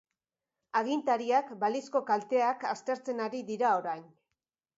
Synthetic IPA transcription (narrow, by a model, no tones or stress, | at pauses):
aɣint̪aɾiakbalisko̞kalt̪e̞akast̪e̞ɾt͡se̞naɾiðiɾao̞ɾajn